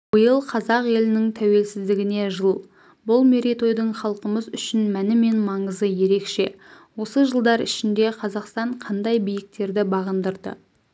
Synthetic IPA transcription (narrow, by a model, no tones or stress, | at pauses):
bəjəlˠqʰɑzɑqje̞lɪnɪŋt̪ʰæwe̞lsɪzd̪ɪɡʲɪne̞ʒəlˠ | bʊlˠme̞ɾit̪o̞jd̪əɴχɑlˠqəməzʏʃɪnmænɪme̞nmɑɴəzəje̞ɾe̞kʃe̞ | wo̞səʒəlˠd̪ɑɾɪ̰ʃɪnd̪e̞qʰɑzɑqst̪ɑɴqʰɑnd̪ɑjbijɪk̚t̪e̞ɾd̪ɪbɑʁənd̪əɾd̪ə̰